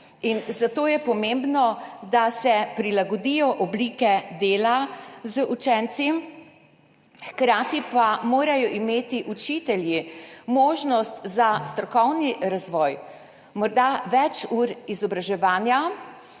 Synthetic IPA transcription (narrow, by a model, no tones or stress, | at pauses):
inzat̪oːjɛpɔmembnɔd̪asɛpɾilaɡɔd̪ijɔʔɔbliːkɛd̪eːlazəʔut͡ʃɛnt̪sim | xkɾaːt̪ipamoːɾajɔʔimeːt̪iʔut͡ʃit̪ɛljimoːʒnɔst̪zast̪ɾɔkɔwniɾazʋɔːj | mɔɾd̪aʋɛt͡ʃuɾizɔbɾaʒɛʋaːnja